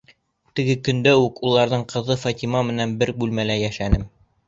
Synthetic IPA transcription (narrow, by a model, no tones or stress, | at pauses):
t̪ɘ̆ɡɘkɵ̆nd̪æʉkulˠɑɾðɤɴqɤ̆ðɤfat̪ʲimɑmɘ̆nænbɘɾbʉlmælæjæʃænɘm